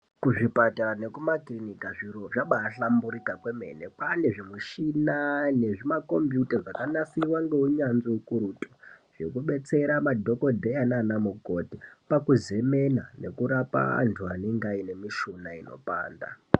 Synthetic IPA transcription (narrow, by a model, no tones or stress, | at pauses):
kuʐipatane̞kumaklinikaʐiɾo̞ʐaɓaːɬambuɾikakwe̞me̞̰nepane̞ʐimuʃinane̞ʐimako̞mbjutaʐakanasiwaŋɡe̞uɲanziukuɾutʼo̥ʐ̥ekuɓe̞t͡se̞ɾamadʱo̞ko̞dʱeananamukotipakuze̞me̞nane̞̰kuɾapa̰a̰ntʰuaneŋɡaine̞miʃunaino̞̰pa̰ːnda̰